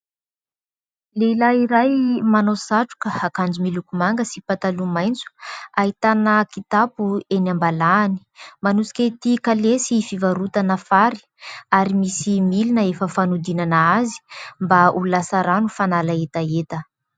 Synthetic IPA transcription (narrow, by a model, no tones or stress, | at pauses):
leilaiɾajmanosaʈ͡ʂu̥kəakand͡zumilukumaŋɡəsipat̪alumajnt͡su̥aɦit̪anəkit̪apuenambalaːni̥manusi̥kʲet̪ikalesifivaɾut̪anəfaɾi̥ | aɾimisimilinəefəfanud̪inanaazi̥mbaululasaɾanufanalaet̪aet̪ə